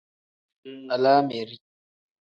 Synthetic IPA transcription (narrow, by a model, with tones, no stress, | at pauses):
a˨laː˦me˨ɾi˦